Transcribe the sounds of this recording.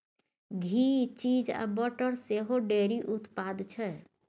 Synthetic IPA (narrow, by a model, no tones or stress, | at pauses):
ɡʱit͡ʃid͡ʒa̰bəʈəɾseɦoɖeɾiʔut̪pad̪t͡ʃʰɛ